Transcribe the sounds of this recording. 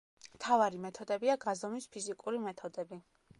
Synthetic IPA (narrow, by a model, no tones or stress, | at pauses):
mt̪ʰavaɾimɛt̪ʰɔd̪ɛbiaɡazɔmispʰizikʼuɾimɛt̪ʰɔd̪ɛbi